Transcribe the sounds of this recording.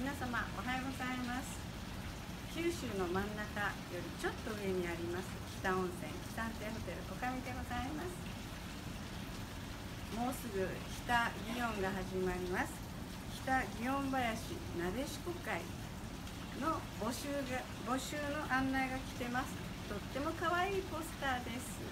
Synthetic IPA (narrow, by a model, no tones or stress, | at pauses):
mʲinasamaʔo̞̰ɦajoɡo̞zaimasɨ̥ | kʲiɾɯ̟ɕɨːno̞mãnːakajo̞ɾʲit͡ɕo̞t̪ːo̞ɯ̟e̞ɲ̟iaɾʲimasɨkʲi̥t̪aõ̞ɰ̃sẽ̞ŋkʲi̥t̪ãnt̪eːɦo̞t̪e̞ɾɯ̟ʔo̞kamʲit̪e̞ɡozaimasɨ̥ | mo̞ːsɨɡɯ̟çʲi̥t̪aɡʲiõ̞ŋɡaɦaʑimaɾʲimasɨ̥ | kʲi̥t̪aɡʲiõ̞mbajaɕḭ | nade̞ɕi̥kokaḭ | no̞ | boɕɨːɡa | bo̞ɕɨːno̞ʔãnːaeɡakʲi̥t̪e̞masɨ̥ | t̪o̞t̪ːe̞mo̞kaβaiːpo̞sɨ̥t̪aːd̪e̞sɨ̥